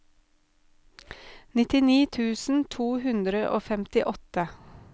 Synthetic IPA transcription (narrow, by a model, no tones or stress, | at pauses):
nɪt̪ɪniːt̪ʰʉːsn̩t̪ʰuːhʉnd̪ɾəʔo̰ːfɛmt̪ɪʔɔt̪ə